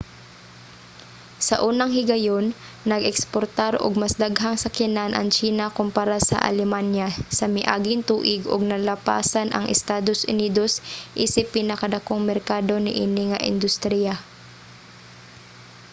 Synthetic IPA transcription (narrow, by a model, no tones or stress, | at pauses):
sɐʔuːnɐŋhɪɡɐjonː | ɐɡɛkspoɾt̪aɾʔo̰ɡ̚mɐsd̪aɡɦaŋsɐkɛnanʔɐ̰ŋt͡ʃiːnɐkʊmpaɾasɐ̰ʔɐ̰lɛmanjasɐmɪʔa̰ːɡɪŋt̪uːʔɪɡʊɡ̚nɐlɐpa̰ːsanʔɐ̰ŋʔɛ̰st̪aːd̪osʔʊ̰niːd̪o̞sʔiːsɪpːiːnɐkɐd̪ɐkoŋmɛɾkaːd̪o̞nɪʔiːnɪŋɐʔɪ̰nd̪ʊst̪ɾija